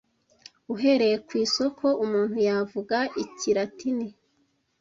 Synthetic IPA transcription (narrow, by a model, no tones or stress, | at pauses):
uɦe̞ɾe̞jekwiːso̞kʰo̞ʔumuːn̥hujavuɡaiciɾatini